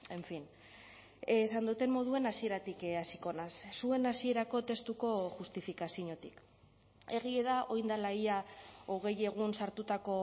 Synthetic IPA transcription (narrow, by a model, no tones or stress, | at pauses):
e̞ɱfin | sand̪ut̪e̞mmo̞ð̞ue̞nasie̞ɾat̪ikasiko̞nasːue̞nasie̞ɾako̞t̪e̞st̪uko̞ʝust̪ifikasiɲo̞t̪ik | e̞ɣ̞ie̞ðaʔo̞jnd̪alajaoɣ̞e̞je̞ɣ̞unsaɾt̪ut̪ako̞